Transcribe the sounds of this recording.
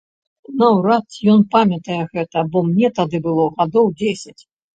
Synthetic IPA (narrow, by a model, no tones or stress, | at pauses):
nɐwɾat̪jɔnpamʲɐt̪ɐjɛɣɛt̪ɐbɔmnʲɛt̪ad̪ɨbɨlˠɔɣad̪ɔwd͡zʲesʲɐt͡sʲ